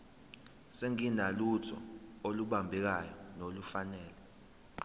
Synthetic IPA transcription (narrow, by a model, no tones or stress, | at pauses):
seŋinalutʰɔ̰oluɓambʱɛk̬ajɔnolufanɛːlɛ